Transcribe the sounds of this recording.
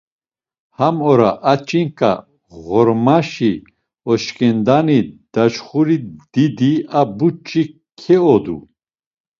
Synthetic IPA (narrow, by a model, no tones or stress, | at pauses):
hamɔɾaʔat͡ʃʼiŋkʼa̰ | ɣɔɾmaʃi | ɔʃkʼɛnd̪anid̪̥at͡ʃχuɾid̪̥id̪iabut͡ʃʼːi | kʰɛɔd̪ṵ